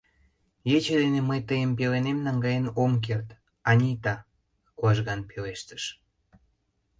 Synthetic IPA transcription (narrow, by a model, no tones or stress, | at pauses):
jet͡ɕed̪eneməjt̪əjəmpelenemnɑŋɡɑjenomk̬ert̪ | ɑnʲit̪ɑ | kuɑʒɣɑnpeleʃt̪ə̥ʃ